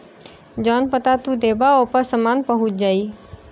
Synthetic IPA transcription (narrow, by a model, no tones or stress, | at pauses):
d͡ʒɔːnpət̪at̪ũd̪eːbaoːpəɾsəmaːnpəɦʊt̪̚d͡ʒaːi